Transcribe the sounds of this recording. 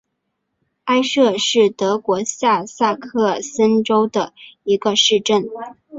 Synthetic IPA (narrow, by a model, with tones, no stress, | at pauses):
a˥ɪʂɤ˥˧ʂɻ̩˥˩t̪ɤ˧˥kwɔ˧˥ɕja˥˧sa˥˧kʰɤ˥˩sə˥nʈ͡ʂo˥ʊd̪ə˩i˧˥ɡə˧ʂɻ̩˥˧ʈ͡ʂə˥˩n